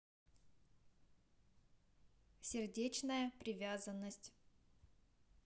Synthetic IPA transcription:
sʲɪrdʲet͡ɕnəjəpɾʲɪvʲazənːəsʲtʲ

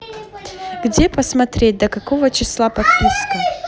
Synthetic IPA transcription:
ɡdʲepəsmɐt̪ɾʲet̚ʲd̪əkɐkovət͡ɕɪslˠapɐt̪̚pʲiskə

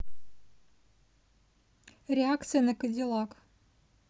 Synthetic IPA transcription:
ɾʲɪakt̪sɨjənəkəd̪ʲilˠɑk

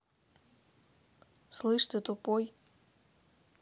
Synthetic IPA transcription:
slˠɨʂt̪ɨt̪upoj

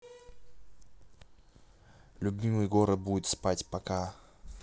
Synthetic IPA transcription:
lʲʊbʲimɨjɡoɾət̪̚buɪt̪spatʲpɐka

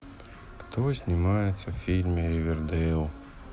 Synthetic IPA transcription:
kt̪osʲnʲɪmajɪt̪sʲɐfʲilʲmʲeɾʲɪvʲɪrd̪ɛlˠ

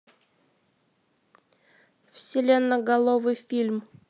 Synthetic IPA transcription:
fsʲɪlʲe̞nːəɡɐlˠovɨjfʲilʲm

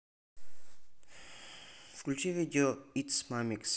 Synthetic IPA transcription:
fklʲut͡ʃivid̪ʲoit̪smamiks

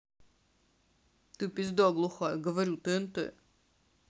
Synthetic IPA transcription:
t̪ɨpʲɪzʲd̪ɔɡlˠʊxɔjɡəvɐɾʲut̪ɨjənt̪ɨ̰

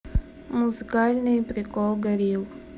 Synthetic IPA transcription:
muzikalʲnẽjpɾikɔɡɐɾiw

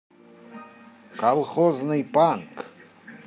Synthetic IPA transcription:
kʰalˠχoznɨjpʼaŋk

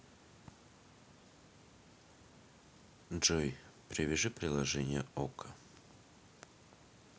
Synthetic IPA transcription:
ʐojpɾʲɪvʲɪʐɨpɾʲɪlˠɐʐɛnʲɪjəokə̥

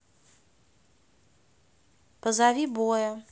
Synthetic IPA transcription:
pɐzavʲibojɐ

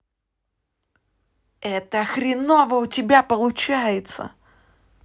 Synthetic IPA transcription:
ɛt̪əxɾʲɪnovəʊtʲɪbʲapəlˠʊt͡ɕæjɪt̪sə̰

